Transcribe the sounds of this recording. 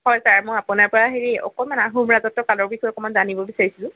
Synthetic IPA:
hɔjsaɹmɔjapunaɹpɔɹaɦeɹiɔ̰kɔmanaɦumɹazɔtːɔkalɔɹbikʰuɔkɔmanzanibɔbisaɹisilʊ̃

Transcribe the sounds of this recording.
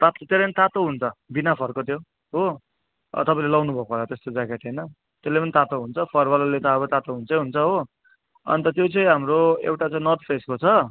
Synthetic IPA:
t̪at̪t̪eɾʌʌnit̪at̪oɦunt͡sʰʌbinapʰʌrkot̪jo | ɦo̰ | t̪ʌpãĩlelʌwnubʱʌkolat̪est̪od͡zakeʈʌjnʌ | t̪elːepʌnit̪at̪oɦunt͡sʰʌpʰʌrbalalet̪ʌʌβʌt̪at̪oɦunt͡sʌj̃ɦunt͡sʰʌɦo | ʌ̰nit̪ʌt̪jot͡sʌj̃ɦamɾoḛwʈat͡sãĩnʌrt̪̚pʰeskot͡sʰʌ

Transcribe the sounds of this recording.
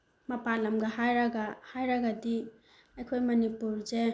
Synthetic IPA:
mɐpalɐmɡɐhajɾɐɡahajɾɐɡɐdi | ɐjkʰojmɐnipuɾze

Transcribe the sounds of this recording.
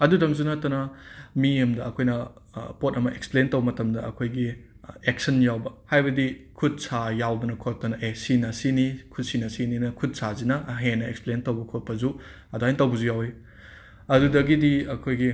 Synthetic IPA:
ɐdudɐmzunɐtːɐnɐmiɐmdɐːkʰojnɐpot̚ɐmɐʔeksplentowbɐmɐtɐmdɐɐkʰojɡi | ek̚sɐnjawbɐhajbɐdikʰut̚sajawdɐnɐkʰot̚tɐnɐʔesinɐsinikʰut̚sinɐsininɐkʰut̚sazinɐɦenːɐeksplentɐwbɐkʰot̚pʰɐzu | ɐduɦajntɐwbɐzujawe | ɐdudɐɡidiɐkʰojɡi

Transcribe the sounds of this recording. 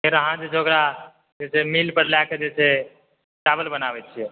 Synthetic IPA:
meɾoɦãd͡ʒed͡ʒoɡɾa | d͡ʒɛsemiːlpəɾlaked͡ʒɛse | ʈaːbəlbənaːʋɛt͡ʃʰie

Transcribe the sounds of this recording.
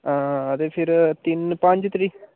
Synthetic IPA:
ãːət̪epʰɪɾt̪ɪnpɐ̃ɲd͡ʒt̪ɾiː

